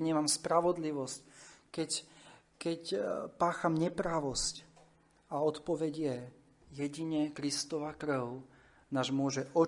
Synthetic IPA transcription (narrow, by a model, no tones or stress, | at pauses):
ɲɛmamspɾaʋɔd̪liʋɔsckɛc | kɛcpaːxamɲɛpɾaʋɔsc | aɔt̪pɔʋɛɟjɛ | jɛɟiɲɛkɾist̪ɔʋakɾʊ | naːʒmʊɔʒɛʔɔ